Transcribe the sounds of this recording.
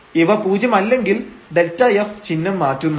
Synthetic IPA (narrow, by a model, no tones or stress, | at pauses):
iʋɐpuːd͡ʑɐmɐlːe̞ŋɡild̪e̞ltɐjeft͡ɕinːɐmːaːtːunː